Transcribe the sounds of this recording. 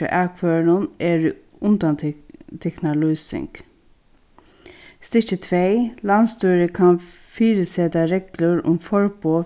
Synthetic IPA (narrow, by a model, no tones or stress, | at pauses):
ə̰ʔækʰʋøːɾʊneːɾ | ʊnd̪ant̪ʰɛknalyːsɪ̰ŋk | st̪ɪcət̪ʰʋeːlanst̪uːɾəkʰan | fiːɾəseːd̪aɾeːɡlʊɹʊ̰mfɔɹboː